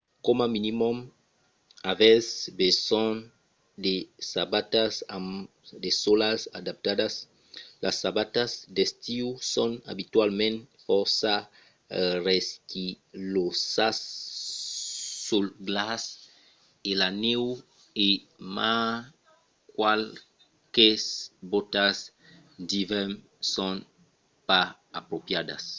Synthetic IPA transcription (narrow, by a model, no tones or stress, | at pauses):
komaminimɔm | avɛzbesɔ̃n | d̪esabat̪asa | d̪esolasad̪ap̚t̪ad̪as | lasabat̪asd̪est̪iusɔ̃na̰bit̪walmẽnfɔɾsa | reski | lossas | ulɡlas | elanew | e | ma | kwal | kesbot̪as | d̪ivem | sõn | pa | apɾopjad̪a̰s